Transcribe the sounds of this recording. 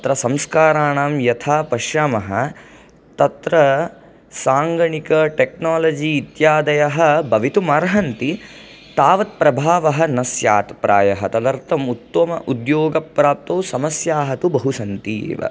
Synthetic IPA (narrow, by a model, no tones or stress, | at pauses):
ɐt̪ɾɐsɐmskaːɾaːɳaːmjɐt̪ʰaːpɐʃjaːmɐɦɐ̆ | t̪ɐt̪ɾɐ | saːŋɡɐɳikɐʈeknaːlɐd͡ʒiːt̪jaːd̪ɐjɐɦɐ̆bɐʋit̪umɐɾɦɐnt̪i | t̪aːʋɐt̪̚pɾɐbʱaːʋɐɦɐ̆nɐsjaːt̪pɾaːjɐɦɐt̪ɐd̪ɐɾt̪ɐmut̪ːʋɐmɐ̰ʔud̪joːɡɐpːɾaːp̚t̪ɐwsɐmɐsjaːɦɐt̪ubɐɦusɐnt̪ḭːʋɐ̰